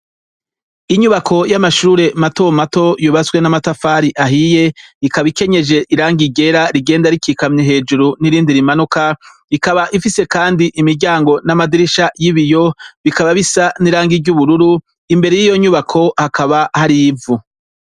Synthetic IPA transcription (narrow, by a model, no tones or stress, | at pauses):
iɲuβakʰo̞jamaʃuɾe̞mato̞mato̞juβaswe̞namatafaːɾiʔaɦije̞ikaβike̞ɲe̞ʒe̞ʔiɾaːŋɡiɟe̞ɾaɾiɡe̞ːndaɾikikamɲeɦe̞ːd͡ʒuɾuniɾiːndiɾimanuka | ikaβaʔifise̞kaːndiʔimiɾɟaːŋɡo̞namadiɾiʃajiβijo̞βikaβaβisaniɾaːŋɡiɾɟuβuɾuɾu | imbe̞ɾe̞jijo̞ɲuβakʰo̞hakaβahaɾivu